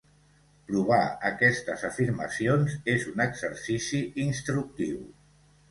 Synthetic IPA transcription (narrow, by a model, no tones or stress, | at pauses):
pɾuβ̞aəkɛst̪əzəfiɾmə̰sionzezunəɡzəɾsisiinst̪ɾuk̚t̪iw